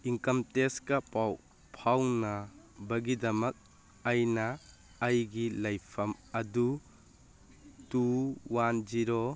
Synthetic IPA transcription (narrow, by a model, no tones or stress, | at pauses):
iŋkɐmteskɐpaw | pʰawnɐ | bɐɡidɐmɐk̚ | ɐjnɐː | jɡilɐjpʰɐmɐdu | tuwand͡ʒiɾo